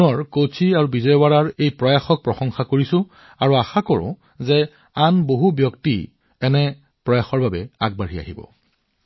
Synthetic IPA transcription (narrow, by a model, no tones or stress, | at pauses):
ɔɹkot͡ʃʰiaɹubizɔjɔwaɹaɹejpɹɔjaxɔk̚pɹɔxɔŋxakoɹisʊ̃ | aɹuaxakɔɹʊ̰̃ | zɛ | anboɦubjɔkti | ɛnɛ | pɹɔjaxɔɹbabɛaɡ̚baɹia̰ɦibɔ̰